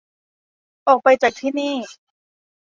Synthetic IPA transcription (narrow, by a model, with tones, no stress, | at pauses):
ʔɔː˨˩k̚pa˧jt͡ɕaː˨˩k̚t̪ʰiː˥˩niː˥˩